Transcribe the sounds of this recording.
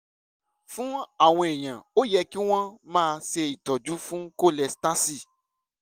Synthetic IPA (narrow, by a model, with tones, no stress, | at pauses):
fũ˦a˦˨w̃ɔ̃˧e˨j̃ã˨o˦jɛ˧ki˦w̃ɔ̃˦mãː˦˧ʃe˧i˨tɔ˨d͡ʒu˨˦fũ˦ko˦˨lɛ˧sta˦si˦˨